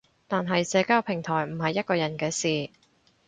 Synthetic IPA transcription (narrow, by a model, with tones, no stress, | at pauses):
t̪aː˨nɦɐ˨jsɛː˧kaː˥wpʰɪ˨˩ŋt̪ʰɔː˨˩jm̩˨˩hɐ˨jːɐ˥t̚kɔː˧jɐ˨˩nkɛː˧siː˨